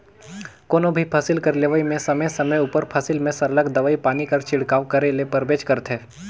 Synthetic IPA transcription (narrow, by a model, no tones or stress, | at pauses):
koːnõbʱipʰɐsɪlkɐɾleʋəimẽsɐməjsɐməjuːpəɾpʰɐsɪlmẽsɐɾləɡd̪ɐʋaːipaːnikɐɾt͡ʃɪɽkaːʋkɐɾelepɐɾbeːt͡ʃkɐɾət̪ɦeː